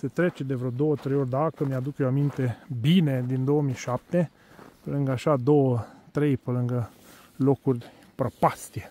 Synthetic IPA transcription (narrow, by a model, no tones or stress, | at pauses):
set̪ɾet͡ʃe̞d̪evɾeod̪o̞wət̪ɾejorʲd̪akəmjad̪ukjeoamint̪e̞bine̞d̪ind̪o̞wəmijʃap̚t̪e̞ | pəlɨŋɡəaʃad̪o̞wət̪ɾe̞jpəlɨŋɡə | lo̞kurʲ | pɾopast̪ije